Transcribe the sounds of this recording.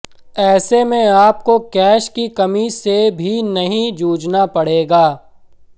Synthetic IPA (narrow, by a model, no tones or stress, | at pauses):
ɛːsemẽaːp̚kokɛːʃkikɐmisebʱinɐɦĩd͡ʒuːd͡ʒnapɐɽ̤eːɡaː